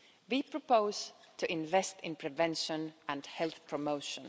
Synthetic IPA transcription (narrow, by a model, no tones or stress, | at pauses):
wipʰɹ̥əpoʊz̥ | tʰɨʔɪ̃nvɛstɪ̃npʰɹ̥ɨvɛ̃nʃə̃nə̃nhɛlˠθpʰɹ̥əmoʊʃə̃n